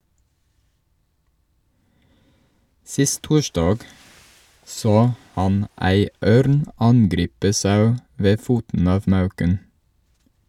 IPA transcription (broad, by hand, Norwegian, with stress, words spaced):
ˈsɪst ˈtuːʃdɑːɡ ˈsoː ˈhɑn ˈæɪ ˈøːɾn ˈɑnɡɾiːpə ˈsɑʉ ˈʋeː ˈfuːtn̩ ˈɑːʋ ˈmɑʉkən